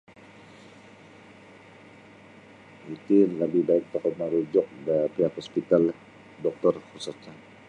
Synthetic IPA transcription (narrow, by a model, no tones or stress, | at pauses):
it̪ilabihbaɪk̚t̪ɔkɔt̪̚maɾud͡ʒɔk̚dapiɦakhɔspit̪al | dɔk̚t̪ɔrhusɔt͡ʃan